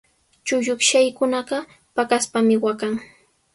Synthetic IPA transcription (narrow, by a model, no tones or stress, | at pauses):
t͡ʃʊʎʊkʃajkʊnɑɢɑ | pakaspamɪwakaŋ